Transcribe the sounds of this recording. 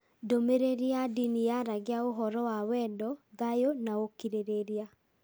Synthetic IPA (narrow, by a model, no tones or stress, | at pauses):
domeɾeɾiadinijaɾaɡeaoɦɔɾɔwawɛndɔðajonaokiɾeɾeɾia